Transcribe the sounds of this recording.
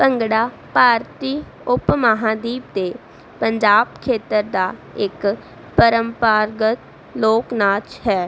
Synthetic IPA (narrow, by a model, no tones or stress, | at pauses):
pəŋɡɽaː | paːɾt̪iː | ʊpmaɦãːd̪iːpd̪eː | pəɲd͡ʒaːbkʰeːt̪əɾd̪aːɪk | pəɾəmpaːɾɡət̪ | loːknaːt͡ʃhɛː